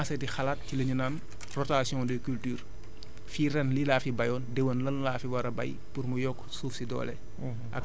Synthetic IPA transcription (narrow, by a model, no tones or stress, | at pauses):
asɐtixɐlat̚cilɐɲunan | rɔtasjɔ̃dəkyltyːr | fiɾɛnlilaːfibɐjɔːndɛwənlɐnlaːfiwɐɾɐbɐ̰j | purmujɔkːsuːfsidɔ̰ːlɛ̰ | ʔɐ̰k